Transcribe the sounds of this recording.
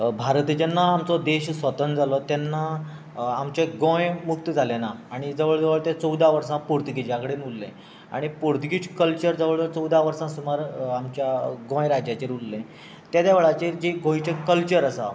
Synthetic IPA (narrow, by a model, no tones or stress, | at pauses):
bʱaɾt̪d͡ʑənːaːmt͡sɔd̪eɕsʋət̪ənd͡zʱalɔt̪jɛnːaː | mt͡ɕeɡõjmuk̚t̪d͡zʱalenaaɽ̃id͡zəʋəɭd͡zəʋəɭt̪ẽt͡səwd̪aʋəɾsãpuɾt̪ɡid͡ʑjakəɽenulːḛ̃ | a̰ɽ̃ipuɾt̪ɡit͡skəlt͡ɕəɾd͡zəʋəɭt̪t͡səwd̪aʋəɾsãsumaɾamt͡ɕjaɡõjɾad͡ʑjat͡ɕeɾulːẽ | t̪jad̪jaʋəɭat͡ɕiɾd͡ʑeɡõit͡ɕẽkəlt͡ɕəɾəsa̰